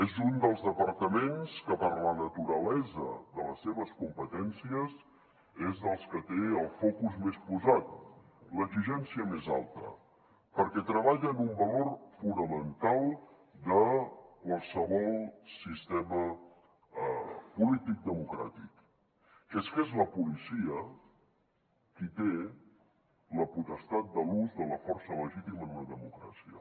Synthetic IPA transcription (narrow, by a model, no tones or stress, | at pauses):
ezund̪əlˠzðəpəɾt̪əmenskəpəɾlənət̪uɾəlɛzə̰ðələsːeβəskumpət̪ɛnsiəs | ezðəlˠskət̪eəlˠfɔkuzmespuzat̪̚ | ləɡziʒɛnsiəmeza̰lˠt̪ə̰ | pəɾkɛt̪ɾəβaʎənumbəlorfunəmənt̪alˠ | d̪əkwalˠsəβɔlˠsist̪emə | pulit̪ik̚d̪əmukɾa̰t̪ik | kɛskezləpulisiə | kit̪e | ləput̪əst̪at̪̚d̪əluzðələfɔrsələʒit̪iməːnləðəmukɾa̰siə̰